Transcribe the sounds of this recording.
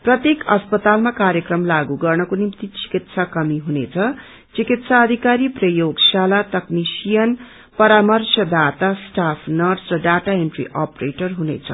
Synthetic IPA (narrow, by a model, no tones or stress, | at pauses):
prʌt̪jekʌspʌt̪almakaɾjʌkrʌmlaɡuɡʌrnʌkonimt̪it͡si̥kit̪sʰakʌmiɦunet͡sʰʌ | t͡sikit̪saʌd̪ʱikaɾiprʌjoɡsalat̪ʌknisijʌn | pʌɾamʌrsʰʌd̪at̪asʈapʰnʌrɖsrʌɖaʈaenʈrḭʔapreʈʌrɦunḛt͡sʰʌ̰